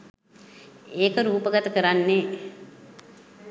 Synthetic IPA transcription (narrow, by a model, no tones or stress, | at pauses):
eːkəɾuːpəɡat̪əkəɾanːe